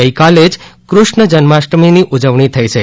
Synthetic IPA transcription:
əikaled͡ʒkɾʊʃɳəd͡ʒənmaʃɾəminiʔud͡ʒəʋɳit̪ʰəit͡ʃʰe

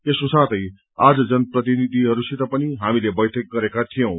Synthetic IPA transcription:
esosãt̪ʌj | ad͡zʌd͡zʌnprʌt̪inid̪ʱiɦʌɾusʰit̪ʌpʌniɦamilebʌjʈʰek̚ɡʌɾekat̪ʰijʌ̃w̃

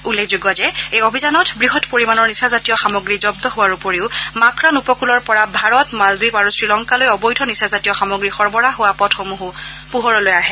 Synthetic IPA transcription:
ulːekʰzuɡɔzɛejobʱizanɔtbɹiɦɔtpoɹimanɔɹnisazatijɔxamɔɡɹizɔb̚dɔɦowaɹupoɹiʊmakɹanupɔkulɔɹpɔɹabʱaɹɔtmalbipaɹusɹilɔŋkalojɔbɔjdʰʱɔnisazatijɔxamɔɡɹixɔɹbɔɹaɦowapɔtxomuɦu | puɦɔɹɔlojaɦɛ

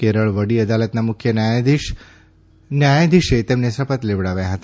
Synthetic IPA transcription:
keɾəɭʋəɽiəd̪alət̪namʊkʰjənajd̪i | njajãd̪iʃet̪emnesəfət̪leʋɽaʋjaɦət̪a

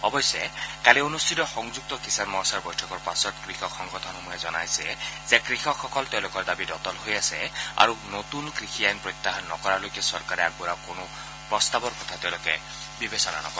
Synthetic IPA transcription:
ɔbɔjsekalionustʰit̪ɔxɔŋd͡ʒuk̚t̪ɔkisanmɔsaɹbɔjʈʰɔkɔɾpasɔt̪kɾixʰɔkʰxɔŋɡɔt̪ʰɔnɦɔmɔjɛd͡ʒɔnajsezekɾixʰɔkʰɔkɔlt̪ewlokɔɹd̪abidɔt̪ɔlɦojasea̰ɾunot̪unkɾikʰiajnpɾɔt̪ːaɦanːɔkɔɾalojkesɔɾkaɾeaɡbuɾakonu | pɾɔst̪abɔɾkɔt̪ʰat̪ewloke | bibesɔna̰nɔ̰kɔɾ

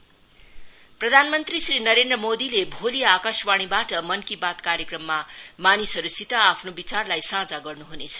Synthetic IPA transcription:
prʌd̪ʱanmʌnt̪risrinʌɾend̪rʌmod̪ilebʱoliakaswaɽ̃ibaʈʌmʌnkibat̪kaɾjekrʌmːamanisʌɾusit̪aːpʰnobit͡sarlajsãd͡zaɡʌrnuɦunet͡sʰʌ̥

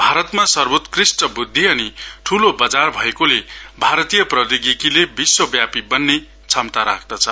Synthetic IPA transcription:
bʱaɾʌt̪masʌrbot̪krisʈʌbud̪ʱːiʌniʈʰulobʌd͡zarbʱʌekolebʱaɾʌt̪ijʌprʌd̪iɡikilebiswʌbjapibʌnːe | t͡sʰʌmt̪aɾa̰kʰd̪ʌt͡sʰʌ

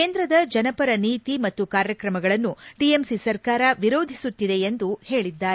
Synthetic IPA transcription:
keːnd̪ɾɐd̪ɐd͡ʒɐnɐpɐɾɐniːt̪imɐt̪ːukaːɾjɐkɾɐmɐɡɐɭɐnːuɖiemsisɐɾkaːɾɐʋiɾo̞ːd̪ʱisut̪ːid̪e̞end̪uhe̞ːɭid̪ːaːɾe

